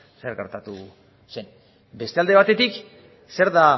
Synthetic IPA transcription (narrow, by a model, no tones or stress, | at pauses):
se̞ɾɣe̞ɾt̪at̪u | se̞n | be̞st̪e̞ald̪e̞βat̪e̞t̪ik | se̞ɾða